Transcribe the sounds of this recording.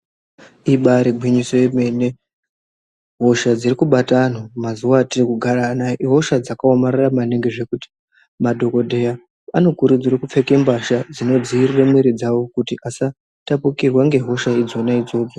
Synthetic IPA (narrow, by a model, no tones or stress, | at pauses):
iɓaɾiɡʱwiɲiso̞jeme̞ne | ɦo̞ʃad͡zirikuɓatanomazuwatirikuɡʱaɾanaɦo̞ʃad͡zakaomaɾaramane̞ŋɡe̞ʐe̞kuti̥ | madʱo̞ko̞dʱe̞ja | ano̞kuɾud͡zirekup͡fe̞kembaʃad͡zino̞d͡ziːriremiɾid͡zawo̞kutiʔasa | tapukirwaŋɡe̞ɦo̞ʃaid͡zo̞naid͡zo̞ːd͡zo